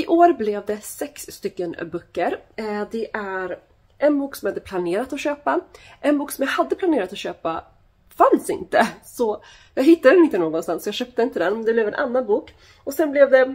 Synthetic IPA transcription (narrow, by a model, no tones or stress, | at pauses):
ɪʔoːɾblɛvd̪ɛsɛksːt̪ʏkːənbœkːəɾd̪ɛʔæɾ | ʔɛnbuːksɔmjahad̪ːəpʰlaneːɾat̪ɔɕøːpa | ʔɛnbuːksɔmjahad̪ːəpʰlaneːɾat̪ɔɕøːpa | fansɪ̰nt̪əsɔ | jɑːɡɦɪt̪ːad̪ɛnɪnt̪ənoːɡɔnst̪ansːɔjɑɡɕœp̚t̪əɪnt̪əd̪ɛnmɛnd̪ɛblɛvɛnʔa̰nːanbuːk | ɔsɛnblɛvd̪ɛ